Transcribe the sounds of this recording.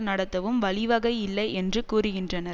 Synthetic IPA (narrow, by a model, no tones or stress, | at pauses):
nɐɽɐt̪ːɐʋɯmʋɐɭɪʋɐɣɐɪɪlːɐɪɛndrɯkuːɾɯɣɪndrɐnɐ